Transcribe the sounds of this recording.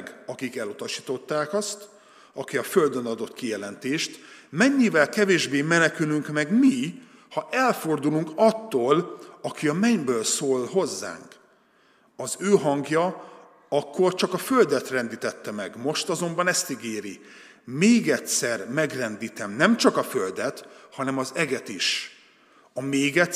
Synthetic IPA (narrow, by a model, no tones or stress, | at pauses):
ɡɒkikɛlut̪ɒʃi̥ːt̪o̞t̪ːaːkɒst̪ | ɒkiɒføld̪ønɒd̪o̞t̪kijɛlɛnt̪eːʃt̪mɛɲːivɛlkɛveːʒbeːmɛnɛkylyŋkmɛɡmi | hɒʔɛlfo̞rd̪uluŋkɒt̪ːoːlɒkiɒmɛɲbøːlsoːlho̞zːa̰ːŋk | ɒzøːɦɒŋɡjɒ | ɒkːo̞rt͡ʃɒkɒføld̪ɛt̪rɛnd̪iːt̪ɛt̪ːɛmɛɡmo̞ʃt̪ɒzo̞mbɒnɛst̪iɡeːɾi | meːɡɛtsɛrmɛɡrɛnd̪iːt̪ɛmnɛmt͡ʃɒkɒfø̞ld̪ɛt̪hɒnɛmɒzɛɡɛt̪iʃ | ɒmeːɡɛ